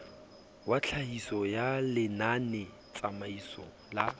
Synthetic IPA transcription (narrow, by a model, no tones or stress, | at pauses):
wat͡ɬʰahisɔjalɪnanɛ | t͡sʼamaisɔ̰ | la